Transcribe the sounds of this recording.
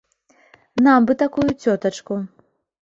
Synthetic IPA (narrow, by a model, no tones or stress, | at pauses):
nambɨt̪akujut͡sʲɔt̪ɐt͡ʂku